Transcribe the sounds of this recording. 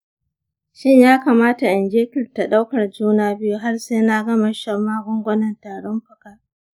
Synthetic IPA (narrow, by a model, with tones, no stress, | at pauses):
ʃɪ˦ɲjaː˦kaː˨maː˦ta˨ʔɪ˨nd͡ʒeː˦kɪ˨rta˨ɗa˦wkɐ˨rd͡ʒuː˦naː˦bɪ˦ju˦ɦa˦rseː˦na˦ɡɐ˦ma˨ʃɐ˦maː˦ɡʷʊ˦ŋɡʷɐ˦nɐ˨ntaː˨ɽɔ˦mɸʊ˨ka˦